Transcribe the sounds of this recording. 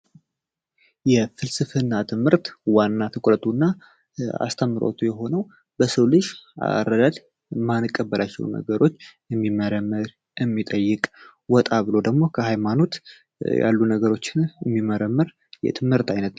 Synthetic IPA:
jɛfɨlsɨfɨnːat̪ʰɨmhɨɾt̪wanːat̪ʰɨkʷʼɾət̪ʰʼunːa | a̰st̪ʰəmːɨɾo̰t̪ʰujɛɦo̞nəw | bəsəwlɨʃa̰rːəd̪ad̪ | manɨkʼːəbːəlʔat͡ʃːɛ̰wnə̰ɡəɾʔo̞t͡ʃː | ɛmːiməɾəmːɨɾ | ɛmːit̪ʼəjːɨkʼ | wɔt̪ʼaβɨlo̞d̪əɡmo̞kʰəhajmano̞t̪ | ja̰lːunəɡəɾo̞t͡ʃːɪnɛmːiməɾəmːɨɾ | jɛ̰t̪ʰɨmhɨɾt̪ajnət̪

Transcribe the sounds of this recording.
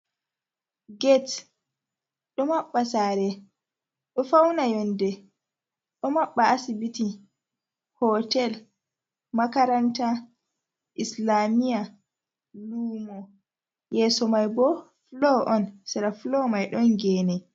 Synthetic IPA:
ɡɛt | ɗɔmaɓːasaːɾɛ | ɗɔfawnajɔndɛ | ɗɔmaɓːaasibiti | hɔtɛl | makaɾanta | ʔislamija | luːmɔ | jɛsɔmajbɔ | flɔʔɔnsɛɾaflɔmajɗɔnɡɛːnɛ

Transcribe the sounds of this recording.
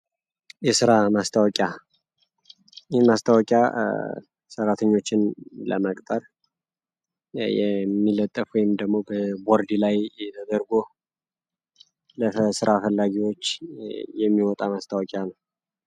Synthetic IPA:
jɛsɨɾamast̪ʰəwɔkʼja | jnmast̪ʰəwɔkʼja̰ | səɾat̪ʰəɲːo̞t͡ʃːɪnlə̰məkʼt̪ʼəɾ | jɛ̰mːilət̪ʼːəfwɔjɪmd̪əɡmo̞bəboɾd̪ilajɛt̪ʰəd̪əɾɡo | ləfəsɨɾafəlːaɡiwot͡ʃːjɛmːiwɔt̪ʼamast̪ʰəwɔkʼjanəw

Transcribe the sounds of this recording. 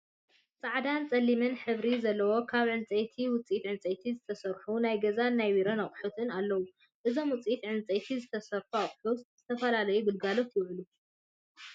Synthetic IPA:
t͡sʼaʕd̪ant͡sʼɐlːimɨnħɨβɾizɐlːɐwo̞kʰaβʕɨnt͡sʼejt̪ʰiwʊt͡sʼijit̪ʕɨnt͡sʼejt̪ʰizɨt̪ʰɐsɐɾħunajɡɐzanajwiɾɐnaχʼħut̪ʰʼɨnalːɐwu | ʔɨzo̞mwʊt͡sʼiit̪ʕɨnt͡sʼet̪ʰizɨt̪ʰɐsɐɾħuaχʼħut̪z̥ɨt̪ʰɐfɐlalɐjubɨlɡalo̞t̪jɪβʕɨlu

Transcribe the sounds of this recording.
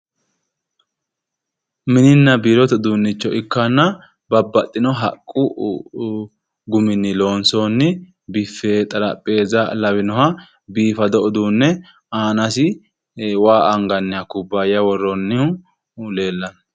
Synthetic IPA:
mɪnɪnːɐbiːɾɔt̪ɔd̪unːɪt͡ʃːɔʔɪkːɐnːɐ | bɐbːɐt̪ʼːɪnɔɦɐ̰kʼːʊ | ɡʊmɪnːɪlo̞ːnsoːnːɪ | bɪfːeːt̪ʼɐlɐpʼːe̞ːzɐlɐwɪnɔɦɐ | biːfɐd̪ɔʔɔd̪unːɛ | aːnɐsɪ | waːʔɐŋɡɐnːɪhɐkʊbːaːjɐwɔrːɔnːɪhʊ | le̞ːlːɐn

